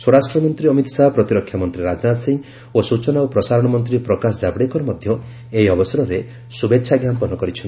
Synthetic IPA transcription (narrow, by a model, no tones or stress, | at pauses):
swɔɽasʈɾɔmɔnt̪ɾiɔmit̪sapɾɔt̪iɾɔkʰːjamɔnt̪ɾiɾad͡ʒnat̪siŋɡ | osut͡ʃɔnaopɾɔsaɾɔɽ̃ɔmɔnt̪ɾipɾɔkasɔd͡ʒabɽekɔɾɔmɔd̪ʱjɔ | eiɔbɔsɔɾɔɾe | subetːʃʰaɡjampɔnɔkɔɾit͡ʃʰɔn